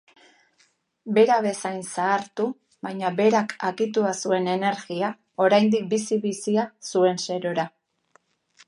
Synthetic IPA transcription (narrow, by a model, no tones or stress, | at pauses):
be̞ɾaβe̞sajnsaːɾt̪u | βajɲaβe̞ɾakʰaɣit̪uasue̞ne̞ne̞ɾɣia | o̞ɾajnd̪ik̚bisiβisiasue̞nse̞ɾo̞ɾa